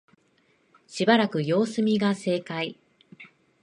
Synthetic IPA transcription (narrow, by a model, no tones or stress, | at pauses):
ɕibaɾakɯ̟jo̞ːsɨmʲiɡase̞ːkai